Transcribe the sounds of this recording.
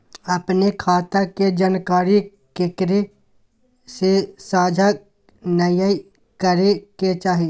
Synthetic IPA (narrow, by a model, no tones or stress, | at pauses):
əpnekʰaːt̪aked͡ʒənkaːɾi | kekɾe | sesaːd͡ʒʱa | nəja | kəɾeket͡ʃaːɦi